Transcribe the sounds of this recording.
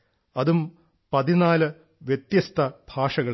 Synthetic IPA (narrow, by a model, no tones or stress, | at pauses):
ɐðum | pɐðinaːlɨ | ʋjet̪jɐst̪ʰɐb̥ʱaːʂɐɣɐ